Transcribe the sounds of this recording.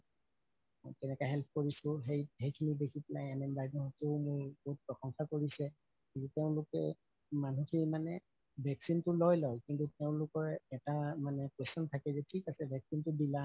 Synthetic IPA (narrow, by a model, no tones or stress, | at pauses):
mɔ̰jkɛnɛkaɦɛlpʰkoɹisʊ̃ɦejejkʰinidekʰitlajɛnɛmbajzɔɦɔtʊmʊɹbout̚pɹɔxɔŋxɔkoɹisɛ | kintuteʊ̃lʊkɛ̰ | manuxʰimanɛ | bʱɛksintʊlɔjlɔjkintuteʊ̃lʊkɔɹɛtamanɛkwestɔntʰakɛzɛtʰikasɛbʱɛksintʊdila